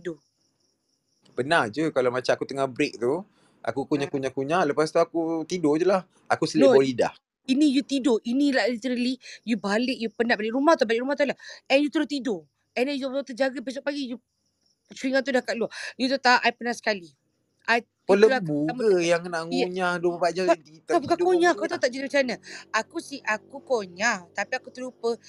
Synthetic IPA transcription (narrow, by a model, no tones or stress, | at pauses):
do | pənahd͡ʒukalamat͡ʃamakut̪əŋahbɾek̚t̪u | a̰kukuɲaʔkuɲakuɲaʔləpast̪uakut̪idod͡ʒulah | akusəlioolida̰h | inĩjut̪idoʔinĩlahlit̪əɾəlijubalɪk̚jupənãbalɪʔɾumaht̪ubalɪʔɾumaht̪ulahɛnjut̪əɾʊht̪ido | ɛnajuəut̪əd͡ʒaɡəbes̬ok̚paɡiju | suɾiŋant̪̬udakat̪luajut̪̬ut̪aaʔajpənasə̥kali | ʔaj | ələlabuməjaŋnaʔŋuɲahdopəbad͡ʒadit̪abukakoɲakut̪ut̪aʔd͡ʒadibət͡ʃanaakusihʔakukoɲaht̪apiakut̪əlupə